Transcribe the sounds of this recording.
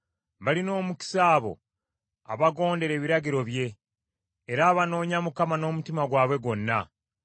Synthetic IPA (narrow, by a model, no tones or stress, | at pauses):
βalino̞ːmuki̥saːβo̞̰ | a̰βaɡo̞ːnde̞ɾe̞ːβiɾaɟiɾo̞βje̞ː | ɾaːβano̞ːɲamukamano̞ːmutimaɡwaːβwe̞ɡo̞nːa